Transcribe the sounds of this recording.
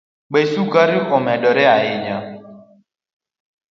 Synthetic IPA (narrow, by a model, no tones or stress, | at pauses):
ɓɛsukaɾiʔɔmɛɗɔɾɛaɪɲa